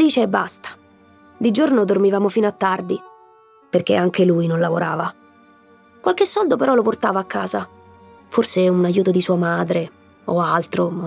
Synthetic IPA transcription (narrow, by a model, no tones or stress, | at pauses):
feliːt͡ʃeɛbːa̰st̪ḁ | d̪id͡ʒornod̪ormivaːmofiːnoat̪ːard̪i | perk̟eaŋkeluːjnonlavoɾʔaːva | kwalkesːɔld̪opeɾɔloport̪aːvaːkːaːza | forseunajuːt̪od̪isuːamaːd̪ɾe | oalt̪ɾo